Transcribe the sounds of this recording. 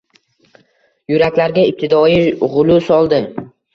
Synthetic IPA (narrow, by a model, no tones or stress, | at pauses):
jʊɾakʲlaɾɡʲaɪp̚t̪ʰɪd̪ɒiʁʊlˠʊsɒlˠd̪ɪm